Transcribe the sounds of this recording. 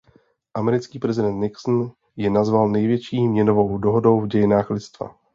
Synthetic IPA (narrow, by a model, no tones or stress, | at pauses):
ʔamɛɾɪt͡skiːpɾɛzɪdɛnt̪nɪksn̩ | jɛnazvalnɛjvjɛt͡ʃiːmɲɛno̞vo̞wdo̞ɦo̞do̞wvɟɛjɪnaːxlɪt͡st̪va̰